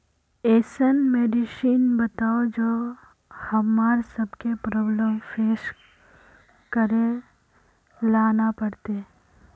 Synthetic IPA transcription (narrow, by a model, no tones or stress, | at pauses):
eːsənmeːɖɪʃiːnbət̪aːod͡ʒoː | hɐmaːɾsɐbkepɾɔːbləmfʰeːs | kəɾẽ | laːnapɐɽt̪e